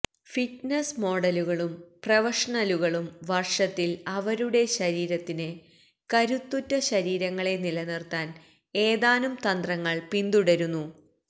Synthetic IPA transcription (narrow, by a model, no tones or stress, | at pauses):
fiʈnɐsmo̞ːɽɐluɣɐɭumprɐʋɐʂɐɳɐluɣɐɭumʋɐrʂɐt̪ːilɐʋɐɾuɽe̞ɕɐɾiːɾɐt̪ːinɨ | kɐɾut̪ːutːɐɕɐɾiːɾɐŋːɐɭe̞nilɐnirt̪aːn | e̞ːðaːnumt̪ɐnd̪rɐŋːɐɭpind̪uɽɐɾunːu